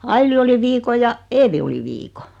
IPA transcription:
ɑili oli ʋiːko jɑ eːʋi oli ʋiːko

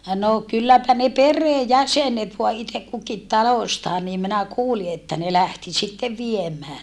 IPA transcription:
no kylːæpæ ne pereː jæsenet ʋoɑ itek kukit tɑloĕstɑː niːm minæ kuːli etːæ ne læhti sitːeʋ ʋiemˑæː

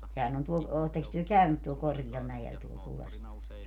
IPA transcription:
sehæn on tuo oːtːeks tyø kæynyt tuol korɡ̊iɑl mæjel tuol kulːɑsʋuɔres

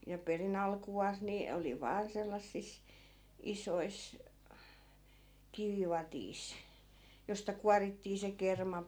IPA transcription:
jɑ perin ɑlkuɑːs ni oli ʋɑːn selːɑsːis isois kiʋiʋɑtiːs jostɑ kuɑritːiː se kermɑ

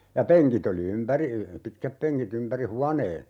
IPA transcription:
jɑ peŋkit oli ympæri pitkæpːeŋkit ympæri huɑneː

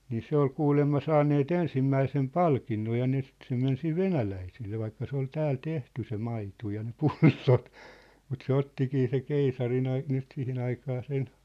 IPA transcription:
niː se ol kuːlemːɑ sɑːnːeːt ensimːæisem pɑlkinːoj jɑ ne sĭt se men siʋ ʋenælæiselːe ʋɑikːɑ se ol tæːl tehty se mɑitu jɑ ne pulːot mut se otːikiː se keisɑrin ɑi nyt sihin ɑikɑː sen

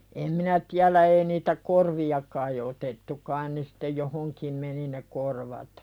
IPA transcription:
em minæ tiælæ ei niːtæ korʋiɑ kɑi otetːu kɑin ne sĭ̥tːe johoŋkim meni ne korʋɑt

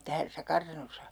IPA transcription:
tæsːæ kɑrtɑnosɑ

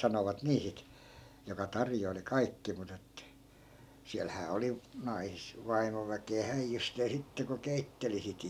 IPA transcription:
sɑnoʋɑt niː sit jokɑ tɑrjoili kɑikːi mut etːæ siælhæː oli nɑis ʋɑimoʋækeæ hæijːysteː sitːe ko keitːeli sit

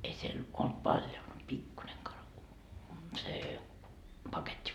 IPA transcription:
ei siel olt pɑlʲjo mut pikːuneŋ kɑrɑ seː pɑketʲːi

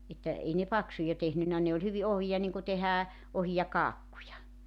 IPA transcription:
etːæ ei ne pɑksujɑ tehnynːæ ne olʲ hyʋi ohijɑ niŋku tehæː ohijɑ kɑːkːujɑ

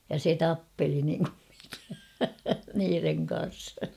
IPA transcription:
jɑ se tɑpːeli niŋkum mikæ niːreŋ kɑn̞s

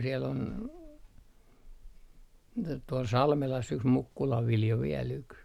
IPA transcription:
siel ol t tuol sɑlmelɑs yks mukːulɑʋ ʋiljo ʋiel yks

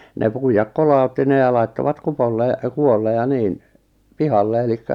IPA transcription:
ne puijɑk kolɑˑutːi ne jɑ lɑitːoʋɑt kupolːe kuolːe jɑ niːn pihɑlːe elikːæ

